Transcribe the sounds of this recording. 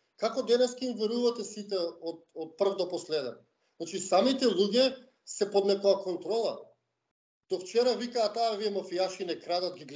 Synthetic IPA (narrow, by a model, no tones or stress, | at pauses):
kakɔd̪ɛnɛskaimvɛɾuvat̪ɛsit̪ɛɔt̪̚ɔt̪̚pr̩vd̪ɔpɔslɛd̪ɛn | znat͡ʃisamit̪ɛlˠuɟɛ | sɛpɔd̪nɛkɔakɔnt̪ɾɔlˠa̰ | d̪̥ɔft͡ʃɛɾavikaːt̪aːviɛmafijaʃinɛkɾad̪at̪ɡʲiɡ